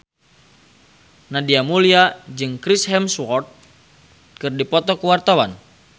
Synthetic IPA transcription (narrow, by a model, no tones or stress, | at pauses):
nadiamuliad͡ʒɨŋkɾisɦɛmswɔrt̪̚ | kɨrdipɔt̪ɔkəwart̪awan